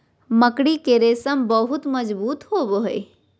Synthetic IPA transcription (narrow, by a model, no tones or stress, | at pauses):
məkɽikeɾeːsəmbəɦʊt̪məd͡ʒbuːt̪hoːboɦe